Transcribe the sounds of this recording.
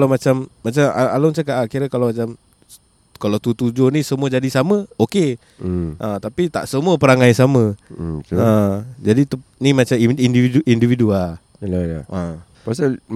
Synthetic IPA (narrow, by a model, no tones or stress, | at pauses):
lamat͡ʃamːat͡ʃamaa̰lomat͡ʃakaʔakiɾəkalawmat͡ʃam | kalawt̪ut̪ud͡ʒonisəmuəd͡ʒadisaməoke | ʔət̪apit̪a̰ʔsəmuəpəɾaŋajsamə | əd͡ʒadit̪unimat͡ʃamindiviuʔindividual | laaə | pasa